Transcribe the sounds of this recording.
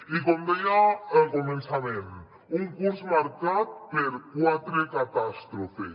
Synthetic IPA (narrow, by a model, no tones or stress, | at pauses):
ikɔmejaɛkɔmɛnt͡sʰamɛn | uŋkuɾsmaɾkat̪̚peɾuat̪ɾekat̪ast̪ɾɔfe